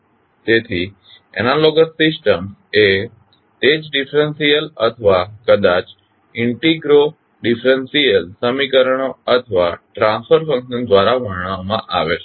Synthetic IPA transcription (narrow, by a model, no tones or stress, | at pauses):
t̪eːt̪ʰi | ɛ̰nãloːɡəsɪsʈəme | t̪eːd͡ʑɖɪfɾə̃nsiəlɐt̪ʰəʋakɐd̪aːt͡ɕ | ɪ̃ɳʈiɡɾo | ɖɪfɾənsijəlsəmikəɾəɽ̃oɐt̪ʰəʋaʈɾãːnspəɾfɐ̃ŋkʃənd̪ʋaːɾaʋəɽ̤ɽ̃amãʔa̰ːʋe